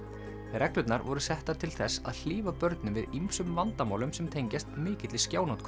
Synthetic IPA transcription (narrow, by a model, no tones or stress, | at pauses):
ɾɛklʏt̪naɾvɔɾʏsɛht̪aɾt̪ʰɪlθɛsa̰ðl̥iːvapœɾt̪nɪmvɪðimsʏmvant̪amaːwlʏmsɛmt̪ʰejɲcast̪mɪːcɪt̪lɪscaːwnawt̪kʰ